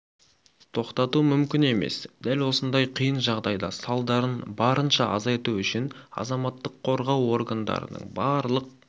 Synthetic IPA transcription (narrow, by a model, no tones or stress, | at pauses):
t̪ʰo̞qt̪ɑt̪umʏmkʲɪne̞me̞̰sd̪̥ælwo̞sənd̪ɑjqʰijənʒɑʁd̪ɑjd̪ɑ̰sɑlˠd̪ɑɾənbɑɾənʃɑɑzɑjt̪uʏʃɪnɑ̰zɑmɑt̪ːəqʰːo̞ɾʁɑwo̞ɾɡand̪ɑ̰ɾə̰nə̰ɴbɑɾlˠəq̚